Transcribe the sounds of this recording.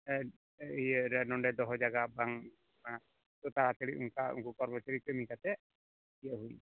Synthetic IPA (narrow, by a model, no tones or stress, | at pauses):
ejəɾɛnɔɳɖɛd̪ɔɦɔd͡ʒaɡabaŋ | a | t̪ɔt̪aɾat̪ʰəɽiuŋkaṵŋkukɔɾbɔt͡ʃaɾikɾəmikat̪ɛ | kiəɦuj